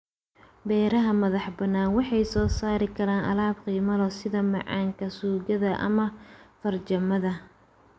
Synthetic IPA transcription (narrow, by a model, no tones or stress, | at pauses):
bɛːɾɐɦɐmɐðɑħbɐnaːnwɑħɑjsɔːsaːɾɪkʰɐɾaːnʔɐ̰laːbqiːmɐlɔsɪðɐmɑʕɑ̰ːŋkʰɐsuːɣɐðɐʔɐ̰mɐfɐrt͡ʃɐmɐðɐ